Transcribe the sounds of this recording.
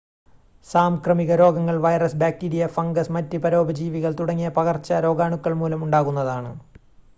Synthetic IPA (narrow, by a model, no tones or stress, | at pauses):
saːmkrɐmiɣɐɾo̞ːɡɐŋːɐɭʋɐjrɐsbaːkːiɽijɐfɐŋɡɐsmɐtːipɐɾo̞ːbɐd͡ʑiːʋiɣɐɭt̪uɽɐŋːijɐpɐɣɐrt͡ɕːɐɾo̞ːɡaːɳukːɐɭmuːlɐmuɳɖaːɣun̪ːɐðaːɳɨ